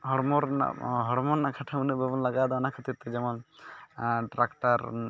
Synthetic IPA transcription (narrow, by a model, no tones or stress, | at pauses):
ɦɔɽmɔɾna̰ɦɔɽmɔnːakʰaʈʰamunəbɛbɔnlaɡad̪ɔnakʰat̪it̪ːɛd͡ʒɛmɔn | ʈɾakʈaɾ